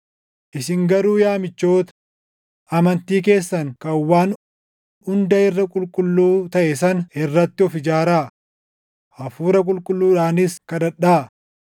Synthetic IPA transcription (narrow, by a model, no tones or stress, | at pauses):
ʔɪsɪŋɡɐɾuːjaːmɪt͡ʃːo̞ːt̪ɐ̥ | ʔɐmɐnt̪iːk̬e̞ːsːɐŋkɐwːaːn | ʊnd̪ɐɪrːɐkʼʊlkʼʊlːuːt̪ɐʔɛsɐnɛrːɐt̪ːɪɔfɪd͡ʒaːɾaː | ɐfuːɾɐkʼʊlkʼʊlːuːᶑaːnɪskɐd̪ɐᶑːaː